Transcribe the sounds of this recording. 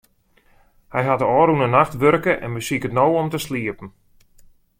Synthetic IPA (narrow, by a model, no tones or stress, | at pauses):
hɛjɦatəɔːɾunənaxtʋørkəʔɛ̰nʋəsikətnowɔmtəsliəpən̩